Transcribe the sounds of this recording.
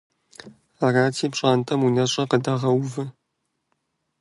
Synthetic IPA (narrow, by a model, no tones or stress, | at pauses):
araːtʰiːpʂʼaːntʰʼɐmunɐɕʼɐqədaʁɐwvɨ